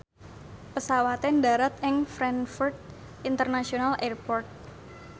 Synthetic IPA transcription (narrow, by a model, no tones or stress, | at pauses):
pəsawat̪ɛndaɾat̪̚ɪŋfɾɛnfurt̪̚ | int̪ərnasionalɛrpɔrt̪̚